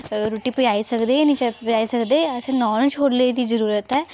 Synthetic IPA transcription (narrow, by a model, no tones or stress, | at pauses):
ɾoːʈiːpəd͡ʒaːisəkd̪eːnĩːt͡ʃd͡ʒaːisəkd̪eːəsẽːnɔ̃ːnũt͡ʃʰoːɽleid̪iːzəɾuːɾət̪ɛː